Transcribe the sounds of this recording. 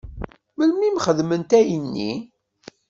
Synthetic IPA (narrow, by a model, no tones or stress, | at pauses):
məlmimχəðmənt̪æjənːḭ